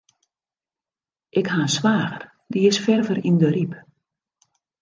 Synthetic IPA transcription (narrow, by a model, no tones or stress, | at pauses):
ʔɪkhaənsʋaːɣər | diɪsfɛrvərindəɾip